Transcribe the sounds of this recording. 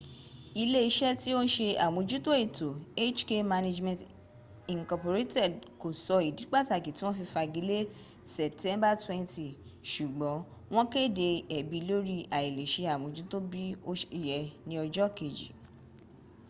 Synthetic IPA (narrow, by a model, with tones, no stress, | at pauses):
i˧le˦i˧˦ʃɛ˦ti˦o˦ʃe˧a˨mõ˨˧d͡ʒu˦to˦e˦˨to˨e˦t͡ʃke˦ma˧ne˧d͡ʒmɛ̃˨t | i˨ŋkɔ˧po˨ɾe˦tɛ˦˨dko˨sɔ˧i˨di˨˦k͡pa˦˨ta˨ki˨ti˦w̃ɔ̃˦fi˧fa˧ɡi˨˦le˦ | sɛ˨ptɛ̃˦mba˦twɛ̃˦nti˨ʃu˨ɡ͡bɔ̃˨˦ | w̃ɔ̃˦ke˦˨de˧ɛ˨bi˨˧˦lo˦ɾi˦ʔa˨i˨le˨ʃe˧a˨mõ˨˦d͡ʒu˦to˦bi˦o˦ʃi˨jɛ˨nĩ˧˦ɔ˧d͡ʒɔ˦ke˨d͡ʒḭ˨